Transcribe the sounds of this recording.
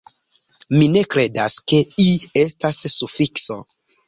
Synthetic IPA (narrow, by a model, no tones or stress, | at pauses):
mine̞kɾe̞daske̞iestasːufikso̰